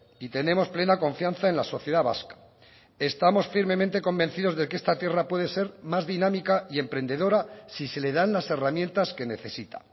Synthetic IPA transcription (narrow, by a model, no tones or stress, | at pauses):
it̪ene̞mo̞sple̞nako̞ɱfjan̟θae̞nlaso̞θje̞ðaβa̰skḁ | e̞st̪amo̞sfiɾme̞mẽ̞nt̪e̞ko̞mbe̞nθiðo̞zðe̞keest̪at̪je̞rapwe̞ðe̞se̞ɾmazðinamikaie̞mpɾe̞nd̪e̞ðo̞ɾasise̞le̞ðanlase̞ramjent̪aske̞ne̞θe̞sit̪ḁ̰